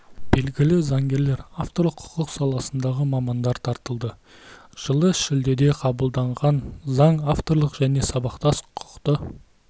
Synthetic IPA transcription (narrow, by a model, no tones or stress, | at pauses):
b̥e̞lɡʲɪlɪzɑŋɡʲe̞ɾle̞ɾaft̪oɾlˠəqʰʊ̥qəqsɑlˠɑsənd̪ɑʁəmɑmɑnd̪ɑɾt̪ʰɑɾt̪əlˠd̪ə | ʒ̥əlˠəʃɪld̪e̞d̪e̞qʰɑbəlˠd̪ɑɴʁɑnzɑɴaft̪o̞ɾlˠəqʒ̥æne̞sɑbɑqt̪ɑsqʰʊ̥qt̪ə